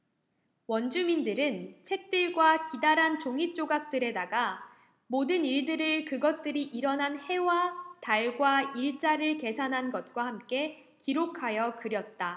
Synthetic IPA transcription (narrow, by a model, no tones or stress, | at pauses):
wʌnd͡ʑumindɯɾɯnt͡ɕʰe̞k̚t͈ɯɭɡwakidaɾɦant͡ɕoŋit͡ɕ͈oɡak̚t͈ɯɾe̞daɡa | modɯniɭdɯɾɯɭkɯɡʌt̚t͈ɯɾiʔiɾʌnɦanhe̞wataɭɡwaiɭt͡ɕ͈aɾɯɭke̞sʰanɦanɡʌt̚k͈wahamk͈e̞ | kiɾokʰajʌkɯɾjʌt̚t͈a